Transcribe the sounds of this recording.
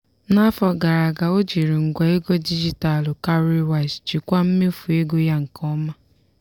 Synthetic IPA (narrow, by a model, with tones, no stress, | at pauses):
na˦fɔ˨ɡa˨ɾa˨ɡa˨o˦d͡ʒi˨ɾi˨ŋ̩˨ɡʷa˨e˦ɡo˦di˦d͡ʒi˨ta˨lʊ˨ka˦ɾi˦wa˨st͡ʃi˨kʷa˦m̩˦me˦fu˨e˦ɡo˦ja˦ŋ̩˨kɔ˦ma˦